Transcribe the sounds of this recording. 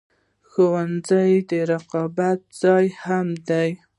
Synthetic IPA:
xowanzajd̪əɾɑqɑbat̪̚z̥ɑjhamd̪aj

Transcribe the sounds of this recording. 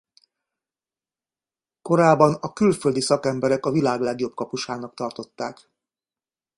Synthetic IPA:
ko̞ɾaːbɒnɒkylføld̪isɒkɛmbɛɾɛkɒvilaːɡlɛɡjo̞b̚kɒpuʃaːnɒk̚t̪ɒrt̪o̞t̪ːaːk

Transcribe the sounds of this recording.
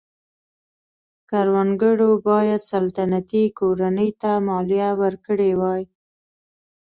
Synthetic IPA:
kaɾwanɡəɽobɑjad̪salt̪anat̪ikoɾanəjt̪amɑlijawəɾkəɽewɑj

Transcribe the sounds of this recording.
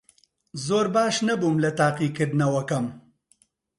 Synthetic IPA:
zoːɾbɑːʃnabumlat̪aːqiqed̪nawɐkam

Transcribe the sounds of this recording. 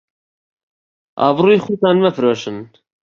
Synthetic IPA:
ʔɑ̰ːvruːjixut̪ɑːnmɛfɨɾoːʃɨn

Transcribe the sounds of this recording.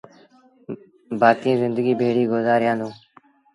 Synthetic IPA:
baːk̪ĩːzɪ̃nd̪əɡiːbʱeːɽiːɡozaːɾjãːnd̪ũː

